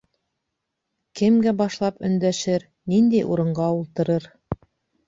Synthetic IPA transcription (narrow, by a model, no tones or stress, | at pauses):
kɘ̆mɡæbɑʃlˠɑpɵ̆nd̪æʃɘɾ | nind̪æjʔuɾɤ̆ɴɢɑulˠt̪ɤ̆ɾɤɾ